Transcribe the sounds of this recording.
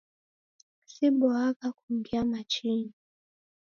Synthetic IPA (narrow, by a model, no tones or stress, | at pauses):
siɓɔakakum̩ɡjamat͡ʃini